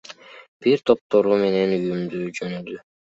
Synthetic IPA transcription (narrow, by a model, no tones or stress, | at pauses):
b̥iɾt̪ʰo̞p̚t̪o̞ɾume̞ne̞nyjymd̪yːd͡ʒønyd̪y